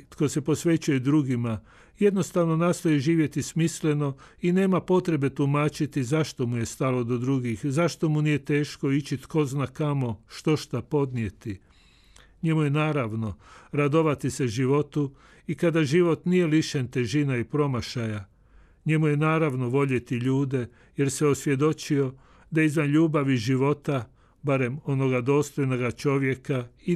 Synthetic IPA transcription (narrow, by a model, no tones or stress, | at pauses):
t̪ko̞se̞po̞sʋe̞t͡ɕujed̪ɾuɡima | je̞d̪no̞st̪aʋno̞naːst̪o̞jiʒiːʋje̞t̪ismisle̞no̞ | ine̞ːmapo̞t̪ɾe̞be̞t̪umaːt͡ʃit̪izaʃt̪o̞muje̞st̪alo̞d̪o̞d̪ɾuɡixzaʃt̪o̞munije̞t̪e̞ːʃko̞it͡ʃit̪ko̞znakamo̞ʃt̪o̞ʃt̪apo̞d̪nije̞t̪i | ɲe̞muje̞naːɾaʋno̞ɾad̪o̞ʋat̪ise̞ʒiʋo̞t̪u | ikad̪aʒiʋo̞t̪nije̞liʃent̪e̞ʒinaipɾo̞maʃaja | ɲe̞muje̞naːɾaʋno̞ʋo̞ʎe̞t̪iʎuːd̪e̞ | je̞ɾse̞o̞sʋje̞d̪o̞t͡ʃio̞ | d̪aeizʋanʎuːbaʋiʒiʋo̞t̪a | baɾe̞mo̞no̞ɡad̪o̞ːst̪o̞jno̞ɡat͡ʃo̞ʋje̞kai